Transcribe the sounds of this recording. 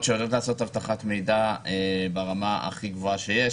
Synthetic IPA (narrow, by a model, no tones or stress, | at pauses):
tʃeodt̪laːso̞t̪havt̪aχatme̞jdaebeʁamaa̰χiɡvo̞aʃe̞je